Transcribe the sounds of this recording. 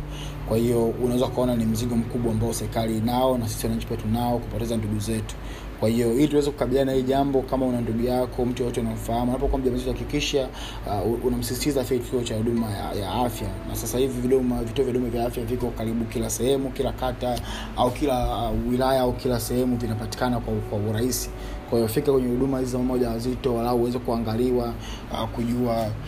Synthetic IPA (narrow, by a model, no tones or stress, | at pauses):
kwahiɔunawɛzakuaɔnanim̩ziɠɔm̩kuɓwaːmbaɔsɛɾikaliːnaɔnas̬i̥siwanaɲ̩t͡ʃi̥piatunaɔkupɔtɛzanduɡuzɛtu̥ | kwahijɔhilituwɛzɛku̥kaɓilianahiːʄambɔkamaunanduɡujakʰɔm̩tujɔtɛunam̩fahamunapɔkuam̩ʄambɔzɛtuhakikiʃa | unam̩sisi̥tizafjaki̥kiɔt͡ʃahuɗumaja̰ja̰afjana̰sasahiviviɗɔmavituɔvjɗɔmavjaafjavikɔkaɾiɓukilasɛhɛmukilakata | aukilawilajaaukilasɛhɛmuvinapati̥kanakwakwauɾaisi̥ | kwaiɔfikakwɛɲɛhuɗumahizizamamɔʄawazitɔwalahɔwɛzɛkuaŋɡaliwa | kuʄua